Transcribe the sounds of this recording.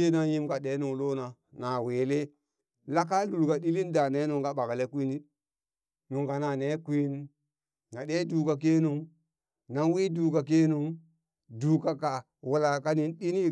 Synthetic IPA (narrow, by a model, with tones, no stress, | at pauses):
e˦na˦ji˦mka˨ɗe˨˦nu˨ŋlo˦na˨ | na˨we˨le˦ | la˦ka˦lu˨lka˨ɗi˦li˦nda˨ne˨˦nu˨ŋɡa˨ɓa˨ɡle˦kʷi˦ni˦ | nu˨ŋɡa˨na˨ne˦kʷi˦n | na˨ɗe˦duː˨ka˨k̬e˦nu˦ŋ | na˨˦nwi˦duː˨ka˨k̬e˦nu˦ŋ | du˨ka˦ka˨ | wu˦la˨ka˦ni˦nɗi˦ni˦